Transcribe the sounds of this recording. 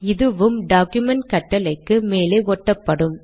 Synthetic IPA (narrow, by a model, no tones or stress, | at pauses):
ɪðɯʋɯmɖaːkjʊmɛɳʈ̚kɐʈːɐlɐɪkːɯmeːleːɔʈːɐpːɐɽɯm